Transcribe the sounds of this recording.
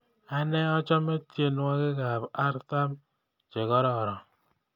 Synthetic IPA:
a˦nɛ˦ɔ˦t͡ʃɔ˦me˦tje˦nwa˦kɪ˦ka˨ba˦ɾta˦m | t͡ʃe˨ɣɔ˦ɾɔ˦˨ɾɔ˨

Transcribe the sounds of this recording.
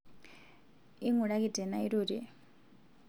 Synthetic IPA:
i˦ŋu˨ɺa˦ki˦dɛ˨na˦i˦ɾu˨ɾi˨

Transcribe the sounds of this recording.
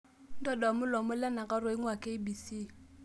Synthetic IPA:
n̩˦tɔ˦dɔ˨mʊ˦lɔ˨mʊ˦lɛ˦na˨ka˦rʊ˨ɪ˦ŋwa˨kʼe˦i˦bi˨si˦˨

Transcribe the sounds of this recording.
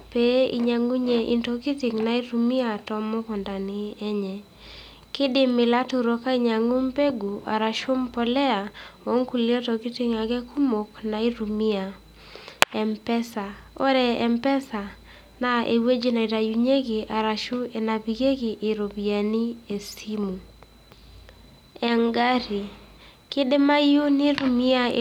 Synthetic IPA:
pe˦ḭ˨ɲa˨ŋu˦ɲe˨ʔi˨nto˨ki˦tɪ˨ŋna˨˦i˦ɾu˨mi˦a˨tɔ˦mo˦kɔ˨nda˨nɪ˨ɛ˦ɲɛ˨ | kɪ˦dɪ˦mɪ˨la˦tu˨ɾo˨ka˦i˦ɲa˨ŋu˦mpe˦ɡu˨a̰˨ɾa˨ʃo˦mpɔ˨lɛ˦a˨wo˦ŋku˨li˦e˦tɔ˨ki˦tɪ˦ŋa˨ɡɛ˦ku˦mo˨kna˨i˦ɾu˨mi˦a˨ | ɛ˨mpɛ˦sa˨ɔ̰˦ɾɛ˨ɛ˨mpɛ˦sa˨ | na˦ʔḛ˨we˦d͡ʒe˦na˨i˨ta˨ju˨ɲe˦ki˨ʔa˨ɾa˨ʃu˦e˨na˨pi˨ɡe˦kɪ˨ʔːɾo˨bi˨a˨ni˦e˨si˦mu˨ | ɛ˨ŋɡa˦ɾi˨ | kɪ˦de˦ma˦jo˦nɪ˦ɾu˨mi˦a˦

